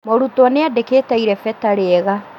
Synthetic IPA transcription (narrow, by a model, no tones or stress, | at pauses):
moɾutwaneadeketaiɾɛfɛtaɾeɛɣa